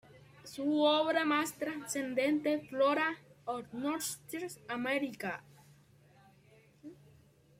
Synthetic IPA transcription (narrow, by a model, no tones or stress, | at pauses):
suoβɾamast̪ɾansend̪ent̪efloɾaoɾnoɾt̪eɾsameɾika